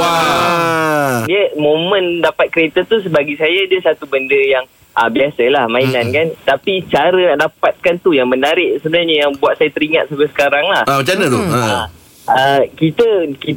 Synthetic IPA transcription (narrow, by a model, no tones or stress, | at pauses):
wa | diəmõmə̃ndapat̪̚kəɾet̪ət̪us̬əbaɡisajadəsat̪ubəndəjaŋ | ʔəbiasəlahmãinankant̪apit͡ʃaɾənaʔdapat̪̚kant̪ujaŋmənaɾɪʔsəbənarɲəjaŋbuat̪sajat̪əɾiŋa̰t̪̚sabəsə̥kaɾaŋlahamat͡ʃanəd̪oəa | əkit̪əki